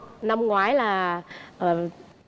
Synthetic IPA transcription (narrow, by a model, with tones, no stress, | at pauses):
na˧mŋwaː˨˩˦jlaː˨˩ʔəː˨˩